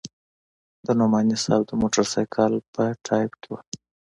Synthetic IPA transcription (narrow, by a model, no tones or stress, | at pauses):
d̪̥ənomɑnɪsɑ̰bd̪əmoʈəɾsajkʰɑlpʰəʈʰɑjpkʲewa